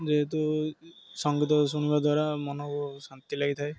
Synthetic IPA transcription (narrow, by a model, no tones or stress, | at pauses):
d͡ʒeɦet̪̬u | sɔŋɡit̪ɔs̬uɽ̃ibad̪waɾamɔnɔksant̪ilaɡit̪ʰaj